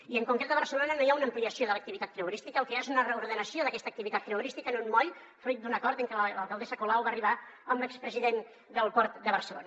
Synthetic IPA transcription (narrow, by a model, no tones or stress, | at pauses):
iəŋkuŋkɾet̪əβəɾsəlonənojaunəmpliəsioðələk̚t̪iβit̪at̪̚k̪ɾeuɾist̪ikəlˠkeaezunərəuɾðənəsioðəkɛst̪ək̚t̪iβit̪at̪̚k̪ːɾeuɾist̪ikənunmɔj | fɾujt̪̚d̪unəkɔɾt̪əŋkəllə̰lˠkəlˠd̪esəkulawβaːriβ̞aəmlɛkspɾəziðen | d̪əlˠpɔɾt̪d̪əβəɾsəlo̰nə